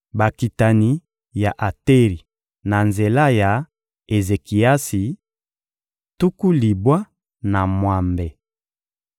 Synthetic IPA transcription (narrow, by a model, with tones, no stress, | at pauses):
ba˨ki˨ta˨ni˨ | ja˨ʔa˨te˦ʁi˨ | na˨nze˨la˦ja˨ | e˨ze˨ki˨a˦si˨ | tu˦ku˦li˨bwa˦ | na˨mwa˨mbɛ˨